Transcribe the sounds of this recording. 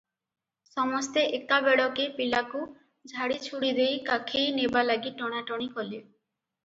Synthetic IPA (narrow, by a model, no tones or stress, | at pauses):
sɔmɔst̪eʔekabeɽɔkepilaku | d͡ʒʱaɽit͡ʃʰuɽid̪ejkakʰejnebalaɡiʈɔɽ̃aʈɔɽ̃ikɔli